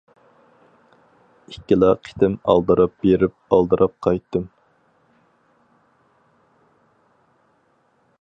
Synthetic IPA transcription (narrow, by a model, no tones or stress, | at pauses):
ikʲːilˠɑqʰi̥t̪ʰɪmɑ̰lˠd̪ɨɾɑp̚beɾɪp̚ɑlˠd̪ɨɾʔɑp̚qʰɑjt̪ːɨm